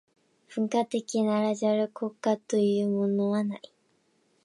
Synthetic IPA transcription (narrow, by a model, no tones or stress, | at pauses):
ɸɯ̟̃ŋkat̪e̞kʲinaɾaʑaɾɯkʰokat̪ojɯ̟ːmonoβana̰i